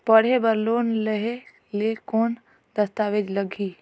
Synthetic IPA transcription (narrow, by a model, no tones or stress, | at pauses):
pəɽ̤ebəɾloːnləɦe | lekoːn | d̪əst̪aːʋeːd͡ʒləɡiː